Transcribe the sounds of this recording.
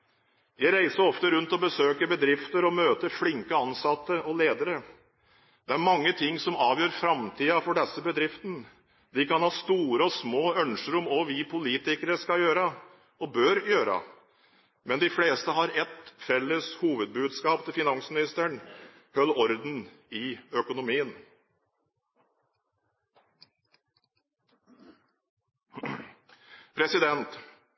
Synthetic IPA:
jæɪɾæɪsəɔft̪əɾʉnt̪ɔbəsøːkəɾbəd̪ɾɪft̪əɾɔmøːt̪əɾflɪŋkəɑnsɑt̪ːəɔleːd̪əɾə | d̪̥ɛæɾmɑŋːət̪ʰɪŋːsɔmɑːʋjøːɾfɾɑmt̪ʰiːɑfɔɖɛsːəbəd̪ɾɪft̪n | d̪ɪkɑnhɑːst̪uːɾəɔsmoːœnʂəɾɔmɔʋɪpʰʊliːt̪ɪkəɾəskɑjøːɾə | ɔbøɾjøːɾɑ̰ | mɛnd̪ɪfleːst̪əɦɑɾɛt̪fɛlːəshuːʋəd̪̚bʉːd̪skɑːpt̪ʰɪlfɪnɑŋsmɪnɪst̪əɳ | hœlːɔɾd̪n̩ | ɪœkʊnʊmiːən | pʰɾɛsɪd̪ɛnt̪

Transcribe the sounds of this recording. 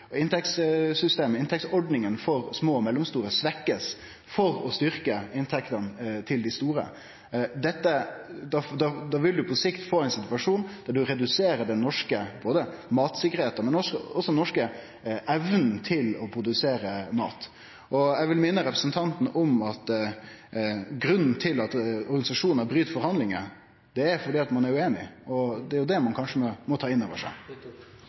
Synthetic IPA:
ɪnt̪ʰɛkt̪ssʏst̪eːməɪnt̪ʰɛktsɔɖnɪŋənfɔɾsmoːmɛlːɔmst̪uːɾəsʋɛkːəs | fɔɾɔst̪ʏɾkəɪnt̪ʰɛkt̪ɑnt̪ʰɪld̪ɪst̪uːɾə̰ | d̪ɛt̪ːəd̪ɑd̪ɑd̪ɑʋɪld̪ʉpʰɔsɪkt̪foːɛɪnsɪt̪ʉɑʂuːnd̪̥æɖ̪ʉɾɛd̪ʉseːɾəd̪ɛnnːɔʂkəboːd̪əmɑːt̪sɪkːəɾheːt̪əmɛnɔsɔɔsɔɛnɔʂkə | ɛʋnn̩t̪ʰɪlɔpʰɾʊd̪ʉseːɾəmɑ̰ːt̪ | ʔɔɛʋɪlmɪnːəɾɛpɾəsnt̪ʰɑnt̪n̩ʔɔmɑt̪ | ɡɾʉnn̩t̪ʰɪlɑt̪ɔɾɡɑnɪsɑʂuːnnəɾbɾyːt̪fɔɾhɑnd̪lɪŋə | d̪̥ɛæɾfɔɖiːɑt̪mɑnæɾʉeːnɪ̰ʔɔd̪ɛæɾjʊd̪ɛmɑnkʰɑnʂəmɔmɔt̪ʰɑːɪnːoːʋəʂæ̰ɪ

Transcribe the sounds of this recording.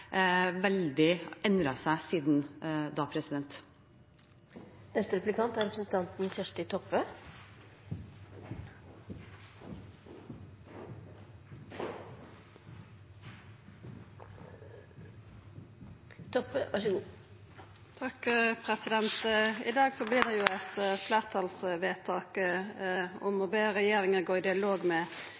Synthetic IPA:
ʋɛld̪ɪɛnɾɑsæɪsiːd̪nd̪ɑːpʰɾɛsɪd̪ɛnt̪ | nɛst̪əɾɛplɪkʰɑnt̪æɾɛpɾsn̩t̪ʰɑnt̪n̩fœʂʈəɪt̪ʰɔpːə | t̪ʰɔpːɑ | t̪ʰɑkːpʰʁɛsɪd̪ɛnt̪ɪd̪ɑːɡsɔblɪʁd̪ɛjʊæt̪flæːʁt̪ʰɑlsʋeːt̪ʰɑːkə | ɔmɔbeːʁɛjeːʁɪŋəʁɡoːʁɪd̪ɪɑloːɡmɛ

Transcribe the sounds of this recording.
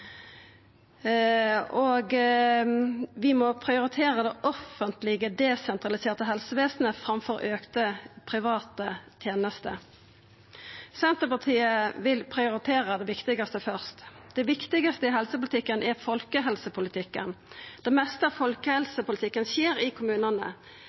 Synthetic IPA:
ɔɡ | ʋɪmɔpʰʁɪʊɾɪt̪ʰeːʁəd̪ɛʔɔfənt̪lɪɡəd̪ɛsɛnt̪ʁɑlɪseːʁt̪əɦɛlsəʋeːsnəfʁɑmfɔɾʔøːkt̪əpʰʁɪʋɑːt̪ət̪ʰjeːnəst̪ə | sɛnt̪əpɑt̪ʰiːəʋɪlpʰʁɪʊɾɪt̪ʰeːʁəd̪ɛʋɪkt̪ɪɡɑst̪əfœʁst̪d̪̥ɛʋɪkt̪ɪɡɑst̪əɪɦɛlsəpʊlɪt̪ʰɪkːənæʁfɔlkəɦɛlsəpʰʊlɪt̪ʰɪkːə̰nd̪̥ɛmɛst̪əfɔlkəhɛlsəpʊlɪt̪ʰɪkːənseːɾɪkʰʊmʉːnənə̰

